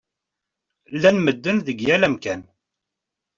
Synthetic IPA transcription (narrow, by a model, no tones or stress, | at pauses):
lːænməd̪ːənðəɡjælæmkæn